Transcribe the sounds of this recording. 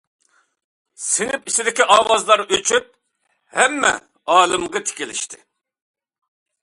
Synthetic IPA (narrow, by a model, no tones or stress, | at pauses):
sɪnɪpisɪd̪ɪkʲiʔɑːwɑzlˠɑɾøt͡ʃʰyp̚ | hɛmːɛ̰ | ɑːlˠɨmʁɑt̪ʰɪ̥kʲilɪ̰ʃt̪ʰɪ